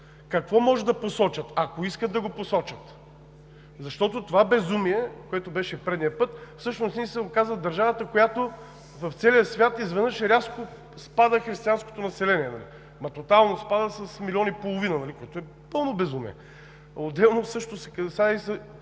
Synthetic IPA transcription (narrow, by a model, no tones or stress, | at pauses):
kɐkvɔmɔʒɛd̪ɐposɔt͡ʃət̪ɐkoiskət̪d̪ɐɡoposɔt͡ʃət̪ | zɐʃt̪ɔt̪ot̪ovabɛzumiɛkoɛt̪obɛʃɛpɾɛd̪nijəpɤt̪fsɤʃnosnisɛokazvəd̪ɐɾʒavət̪əkojat̪o | vɐft̪sɛlijəsvʲjat̪izvɛd̪nəʃɛɾʲasko | spad̪əxɾist̪ʲiansko̥t̪onɐsɛlɛniɛnɐlḭ | mɐt̪ot̪alˠnospad̪əsəsmilʲiɔnipolˠovinɐnɐlikoɛt̪oɛ | pɤlˠnobɛzumḭɛ̰ | od̪ɛlˠnosɤʃt̪osɛ̥kɐsaisɛ